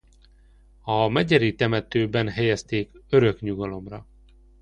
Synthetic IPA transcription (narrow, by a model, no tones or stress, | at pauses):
ɒmɛɟɛɾit̪ɛmɛt̪øːbɛnɦɛjɛst̪eːkøɾø̞kɲuɡɒlo̞mrɒ